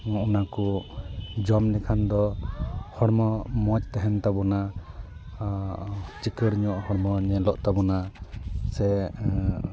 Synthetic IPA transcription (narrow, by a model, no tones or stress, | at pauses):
unakɔ | d͡ʒɔmnɛkʰand̪ɔ | hɔɾmɔmɔt͡ʃt̪ɛɦɛnt̪abɔna | t͡ʃikəɽɲɔʔhɔɾmɔɲɛlɔʔt̪abɔnasɛ